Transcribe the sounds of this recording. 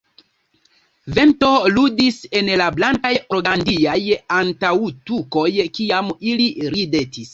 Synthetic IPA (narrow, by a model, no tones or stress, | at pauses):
ve̞nto̞ludise̞nlablaŋkajoɾɡandiajantawtuko̞jkiamiliɾide̞tis